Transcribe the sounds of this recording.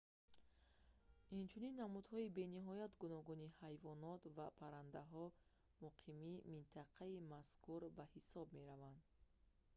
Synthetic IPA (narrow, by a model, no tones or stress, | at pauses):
int͡ʃʰuninːamud̪hɔibe̞niɦɔjat̪ɡunɔɡunihajvɔnɔt̪vapʰaɾand̪aɦɔ | muqʰimimint̪ʰaqʰaimaskuɾbahisɔb̚me̞ɾavand̪